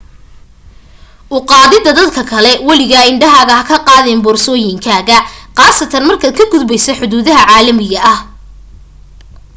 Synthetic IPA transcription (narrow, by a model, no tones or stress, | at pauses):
ʔʊqɑːðɪðɐd̪ɐd̪kʰɐkʰɐlɛwɐlɪɣɐɪɳɖɐɦɐɣɐhɐkʰɐqɑːðɛːmbɔːrsɔːjɪŋkʰaːɣɐqɑːsɐt̪ʰɐnmɐrkʰɐkʰɐɡʊd̪bɛjsɐħʊðuːðɐɦɐʕaːlɐmɪɣɐʔɐh